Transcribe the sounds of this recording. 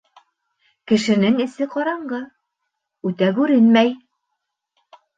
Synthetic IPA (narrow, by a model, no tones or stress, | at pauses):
kɘ̆ʃɘ̆nɘŋɘ̆sɘqɑɾɑɴɢɤ | ʉt̪ækʉɾɘnmæj